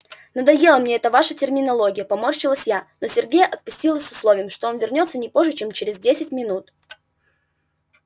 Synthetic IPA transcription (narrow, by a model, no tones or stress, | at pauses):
nəd̪ɐjelˠəmnʲeɛt̪əvaʂətʲɪrmʲɪnɐlˠo̞ɡʲɪjəpɐmorɕɪlˠəsʲjano̞sʲɪrɡʲejəʔɐt̪̚pʊsʲtʲilˠəsʲsʊslˠovʲɪjəmʂt̪o̞onvʲɪrnʲo̞t̪sənʲɪpo̞ʐːɨt͡ɕe̞mt͡ɕɪɾʲɪzdʲesʲɪtʲmʲɪnut̪